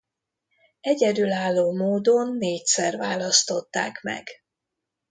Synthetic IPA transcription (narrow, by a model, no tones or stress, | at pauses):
ɛɟɛd̪ylaːlːoːmoːd̪o̞nːeːc̚sɛrvaːlɒst̪o̞t̪ːa̰ːkmɛ̰ɡ